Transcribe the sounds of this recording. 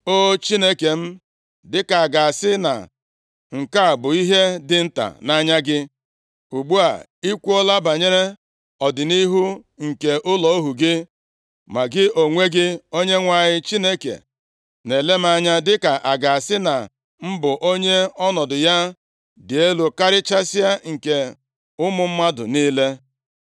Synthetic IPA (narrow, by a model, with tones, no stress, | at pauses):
o˦t͡ʃi˦ne˦ke˨m̩˦ | dɪ˦ka˨a˨ɡa˨sɪ˦na̰˨ | ŋ̩˨ka˦a˨bʊ˨i˦ɦe˦dɪ˦n̩˦ta̰˨na˦ɲa˦ɡɪ˦ | u˨ɡ͡bu˦a̰˨ | i˦kʷu˦ɔ˦la˦ba˨ɲe˦ɾe˦ | ɔ˨dɪ˨ni˦ɦu˦ŋ̩˨ke˨ʔʊ˦lɔ˨o˦ɦu˨ɡɪ˦ | ma˨ɡɪ˦ʔo˨ŋʷe˦ɡɪ˦o˦ɲe˦ŋʷa˨ɲɪ˦t͡ʃi˦ne˦kḛ˨ | ne˨le˦m̩˦a˦ɲa˦dɪ˦ka˨ʔa˨ɡa˨a˨sɪ˦na˨ | m̩˦bʊ˨ʔo˦ɲe˦ɔ˦nɔ˨dʊ˨ja˦ | dɪ˨e˦lu˨ka˦ɾɪ˦t͡ʃa˦si˦a˦ŋ̩˨ke˨ | ʊ˦mʊ˦m̩˦ma˦dʊ̰˨niː˦le˦